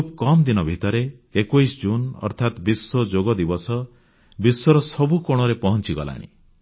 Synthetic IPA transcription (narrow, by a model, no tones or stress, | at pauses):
pkɔmd̪inɔbʱit̪ɔɾeːkujsd͡ʒunɔ̰ɾt̪ʰat̪bisːɔd͡ʒoɡɔd̪ibɔsɔ | biswɔɾɔsɔbukoɽ̃ɔɾepɔɦɔnt͡ʃiɡɔ̰la̰ɽ̃ḭ